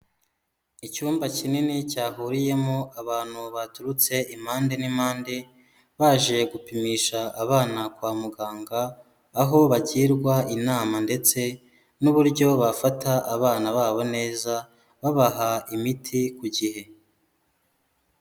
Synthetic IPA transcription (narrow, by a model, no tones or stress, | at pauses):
icuːmbacininicaːɦuɾije̞moaβaːn̥huβatuɾut͡se̞ʔimaːnde̞nimaːnde̞ | βaːʒe̞ɡupimiʃaːβaːnakwaːmuɡaːŋɡaː | ɦo̞βaɟiːɾɡwainaːmande̞t͡se̞ | nuβuɾɟo̞βafataʔːβaːnaβaːβo̞ne̞ːza | βaβaɦaimitʰikuɟihe̞